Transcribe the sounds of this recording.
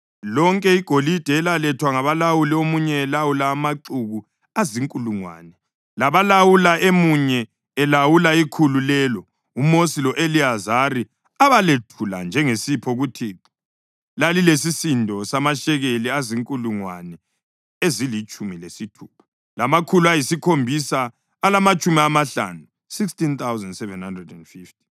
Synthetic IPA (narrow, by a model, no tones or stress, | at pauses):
lɔŋkʼɛiɡ̥ʱolid̥ʱɛːlalɛtʰwaŋaβalawuliomuɲɛːlawulaːmaǃuɣu | aziŋkʼuluŋwa̰nɛ | laβalawulaʔemuɲɛː | lawulaikʰululɛːlɔ | umosilɔʔeliazari | aβaletʰula̰nd͡ʒʱɛŋesipʰɔɣutʰiǁ | lalilesisindʱɔsamaʃɛɣeliaziŋkʼuluŋwanɛ | ezilit͡ʃʼumilesitʰuːpʰḁ | lamakʰuluajisikʰombʱisaː | lamat͡ʃʼumiamaɬa̰nu | sikstint̪awzɛndsɛvɛnhandrɛdɛnd̥fift̚i̥